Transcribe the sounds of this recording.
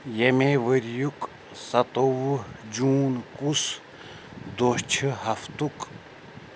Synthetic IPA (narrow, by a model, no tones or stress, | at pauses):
jɐmeʋəɾjuk | sɐt̪owd͡ʒuːnkus | d̪oʃt͡ʃʰiɦɐft̪uk